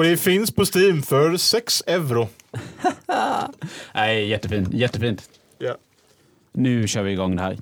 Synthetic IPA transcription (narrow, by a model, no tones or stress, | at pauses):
ɔɖɛfɪnspʰɔst̪iːmfœɾsɛksɛʋɾʊ | ʔæɪjɛt̪ːəfiːnt̪jɛt̪ːəfiːnt̪ | nʉːɕøːɾʋɪɪɡɑŋːd̪əhæ̰ːɾ